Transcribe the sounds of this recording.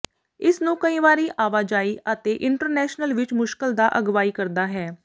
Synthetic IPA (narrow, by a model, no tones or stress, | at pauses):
ɪsnũːkəĩːʋaːɾiːʔaːʋaːd͡ʒaːiːət̪eːʔɪɳʈəɾnɛːʃnəlʋɪt͡ʃmʊʃkəld̪aːʔəɡʋaːiːkəɾd̪aːɦɛː